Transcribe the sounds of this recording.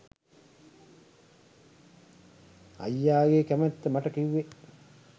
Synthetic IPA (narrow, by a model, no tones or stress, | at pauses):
ɐ̰jːaːɡekæmæt̪ːəmɐʈɐkiʋːe